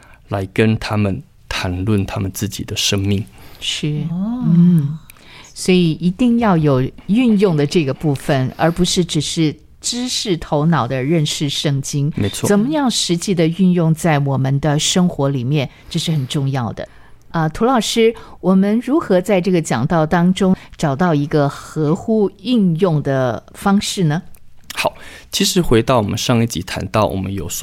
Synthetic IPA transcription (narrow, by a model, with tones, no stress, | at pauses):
la˧˥ɪkə˥nt̪ʰa˥mə˨n | t̪ʰa˧˥nlwə˥˩nt̪ʰa˥mə˨nt͡sɹ̩˥˩t͡ɕḭ˨˩d̪ə˦ʂə˥ŋmi˥˩ŋʂɻ̩˥˩nn̩n̩˥˩ | swɔ˧˥i˨˩i˧˥t̪i˥˧ŋjɑ˥˩ʊjo˨˩ʊy˥˧njʊ˥˩ŋd̪ə˩ʈ͡ʂɤ˥˩ɡə˩pu˥˩fə˨˩nə̰˞˧˥pu˧˥ʂɻ̩˥˩ʈ͡ʂɻ̩˨˩ʂɻ̩˥˩ | ʈ͡ʂɻ̩˥ʂɻ̩˥˩t̪ʰo˧˥ʊnɑ˨˩ʊd̪ə˦ɻə˥˧nʂɻ̩˥˧ʂɤ˥˧ŋt͡ɕi˥ŋme˧˥ɪt͡sʰwɔ˥˨t͡sə˨˩mə˦jɑ˥˩ŋʂɻ̩˧˥t͡ɕi˥˩d̪ə˨y˥˧njʊ˥˧ŋt͡sa˥˩ɪwɔ˨˩mə˦nd̪ə˧ʂɤ˥ŋxwɔ˧˥li˨˩mjɛ˥˩n | ʈ͡ʂɤ˥˧ʂɻ̩˥˩xə˨˩nʈ͡ʂʊ˥˧ŋjɑ˥˩ʊd̪ə̰˩ | ə˧t̪ʰu˧˥lɑ˨˩ʊʂɻ̩˥wɔ˨˩mə˧˦nɻu˧˥xɤ˧˥t͡sa˥˧ɪʈ͡ʂɤ˥˩ɡə˩t͡ɕjɑ˨˩ŋt̪ɑ˥˩ʊt̪ɑ˥ŋʈ͡ʂʊ˥ŋʈ͡ʂɑ˨˩ʊt̪ɑ˥˩ʊi˧˥ɡə˧xɤ˧˥xu˥y˥˧njʊ˥˩ŋd̪ə˩fɑ˥ŋʂɻ̩˥˩nə˩xɑ˨˩˦ʊt͡ɕʰi˧˥ʂɻ̩˧˥xwe˧˥ɪt̪ɑ˥˩ʊwɔ̰˨˩mə̰˦nʂɑ˥˧ŋi˥˩t͡ɕḭ˨˥t̪ʰa̰˧˥nt̪ɑ˥˩ʊwʔɔ̰˨˩mə̰˦njo˨˩ʊs